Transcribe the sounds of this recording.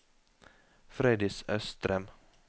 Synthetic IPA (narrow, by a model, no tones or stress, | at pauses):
fɾed̪ɪsœst̪ɾɛm